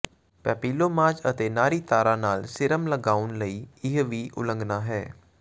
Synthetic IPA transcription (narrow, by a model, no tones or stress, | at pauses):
pɛːpiːloːmaːd͡ʒət̪eːnaːɾiːt̪aːɾaːnaːlsɪɾəmləɡaːʊnləiːɪɦʋiːʔʊ̰lə̃ŋɡnaːɦɛː